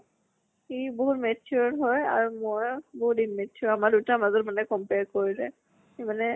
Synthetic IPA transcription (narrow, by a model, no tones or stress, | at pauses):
xiboɦutmetʰuɹɔɦɔjaɹumojboɦut̚dinmetʰʊɹamadutamazɔtmanɛkɔmpeɹkoɹizɛ | xemanɛ